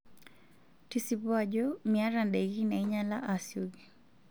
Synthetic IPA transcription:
tisipwaʄɔmiaɾandɛɣinaiɲalaʔasiuɡi

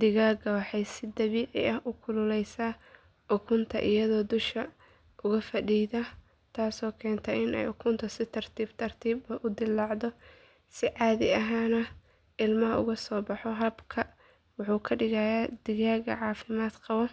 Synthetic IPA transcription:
d̪ɪɣaːɣɐwɑħɑjsɪd̪ɐβiːʕɪ̰ɐhʔʊkʰʊlʊlɛjsaː | ʊkʰʊnt̪ʰɐ̰ʔɪjɐðɔːd̪ʊʃkɐ | ʔʊɣɐfɐɖiːðɐ | t̪ʰaːsɔːkʰɛːnt̪ʰɐɪnɛ̰jʊkʰʊnt̪ʰɐsɪt̪ʰɐrt̪ʰiːbt̪ʰɐrt̪ʰiːbɐʔʊd̪ɪlːɑʕd̪ɔ | sɪʕɑːðɪɐɦaːnɐ | ʔɪlmɐɦɐʊ̰ɣɐsɔːbɑħɔɦɐbkʰɐ | wɑħuːkʰɐɖɪɣajaːd̪̥ɪɣaːɣɐ̰ʕɑːfɪmaːd̪qɑβɔ

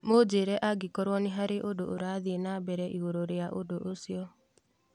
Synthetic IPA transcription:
mod͡ʒeɾɛʔaɡikɔɾwɔneɦaɾeʔodoʔoɾaðienabɛɾɛʔiɣoɾoɾeaʔodoʔosiɔ

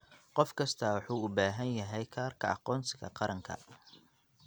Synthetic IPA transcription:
qɔfkʰɐst̪ʰɐwɑħuːʊbaːɦɐnjɐɦɛjkʰaːrkʰɐɑ̰qɔːnsɪɣɐ̰qɑɾɐŋkʰɐ̰

